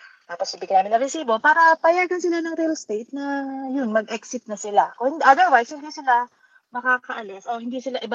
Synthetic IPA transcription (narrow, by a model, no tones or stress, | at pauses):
t̪aːposɪbiːkɐnaːmɪnɐŋɾɛsiːbo̞paːɾɐpɐjaɡɐnsɪlanɐŋɾɪlst̪ejt̪̚nɐjʊnmɐɡ̚ʔɛksɪt̪̚nɐsɪlakohɪnd̪ʔɐd̪ɛɹwajshɪnd̪isɪla | mɐkaːkɐʔɐlɛsʔohɪnd̪isɪlaʔɪba